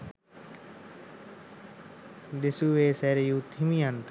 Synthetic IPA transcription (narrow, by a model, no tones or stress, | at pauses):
d̪ɪsuːeːsɛːɾejuːt̪ʰimiːanʈ̪